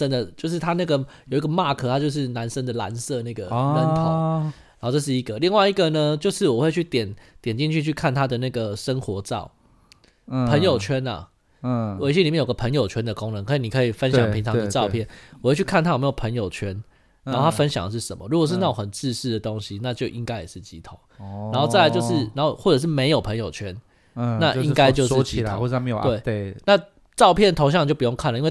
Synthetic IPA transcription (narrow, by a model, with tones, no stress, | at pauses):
ə˥nd̪ə˨t͡ɕjo˥˧ʊʂ̬ɻ̩˥˩t̪ʰa˥na˥˩ɡə˩jo˨˩ʊi˧˦ɡə˨˧ma˥˧kʰɤ˧˥t̪ʰa˥t͡ɕjo˥˧ʊʂ̬ɻ̩˥˩na˧˥nʂə˥nd̪ə˨la̰˧˦˥nsɤ˥˧na˥˩ɡə˩na˧˥nt̪ʰɑ̰˨˦ɻa˨˧˦o˥˧ʈ͡ʂə˧ʂ̬ɻ̩˥˩i˧˥ɡə˨li˥˧ŋwa˥˩ɪi˧˥ɡə˨nə˨t͡ɕjo˥˧ʊʂɻ̩˥˩wɔ˨˩we˥˧ɪt͡ɕʰy˥˩t̪jɛ˨˩˦nt̪jɛ˨˩nt͡ɕi˥˧nt͡ɕʰy˥˧t͡ɕʰy˥˧kʰa˥˩nt̪ʰa˥d̪ə˨na˥˩ɡə˩ʂə˦˥ŋxwɔ˧˥ʈ͡ʂɑ˥˨˩ʊ | pʰə˧˦˥ŋjo˨˩ʊt͡ɕʰɥɛ˦˥na̰˨˩ | we˧˥ɪɕjɛ˥li˨jɛ˥˩jo˨˩ɡə˩pʰə˧˥ŋjo˨˩ʊt͡ɕʰɥɛ˥nd̪ə˨ko˥˦ŋnə˧˦ŋkʰi˧˩ni˨˩kʰə˧˥i˨˩fə˦nɕjɑ̰˨˦ŋpʰi˧˥ŋʈ͡ʂʰɑ˧ŋd̪ə˧ʈ͡ʂɑ˥˧ʊpʰjɛ˥˩nwɔ˨˩t͡ɕt͡ɕʰy˥˩kʰa˥nt̪ʰa˥˩jm˧˥jo˨˩pʰə˧˦ŋjo˨˩ʊt͡ɕʰɥɛ˦˥n | n˧˨˦xo˥˩a˥˧fə˦nɕjɑ˨˩ŋd̪ə˦ʂ̬̩˥˩ʂə̰˨˩˦mə̰˦ɻu˦˥kwɔ˨˩ʂ̬ɻ̩˥˧na˥˩jo˨˩xə˨˩nt͡sɻ̩˥˧ʂɻ̩˥˩d̪ə˩t̪o˦ŋɕi˦na˥˧t͡ɕjo˥˨ʊʔi˦ŋka˥ɪjɛ˨˩ʂɻ̩˥˩t͡ɕi˦t̪ʰo˨˩˦na˧˥nxo˥˧ʊt͡sa˥˩ɪla˧ɪjo˥˧ʊʂɻ̩˥˩na˧˦nxo˥˩xwɔ˥˩ʈ͡ʂɤ˨˩ʂ̬ɻ̩˥˩me˧˥ɪjo˨˩ʊpʰə˧˥ŋjo˨˩ʊt͡ɕʰɥɛ˦˥n | na˥˨ʔi˦ŋka˥˦ɪt͡ɕjo˥˧ʊʂɻ̩˥˧t͡ɕi˧˥˨wme˧˦jwe˥˩ɪ˥˩na˥˧ | ʈ͡ʂɑ˥˧ʊpʰjɛ˥˩nt̪ʰo˧ŋɕjŋi˨t͡ɕo˥˩pu˩jo˥˧ŋkʰa˥˩nə˩˨i˦ŋwe˥˨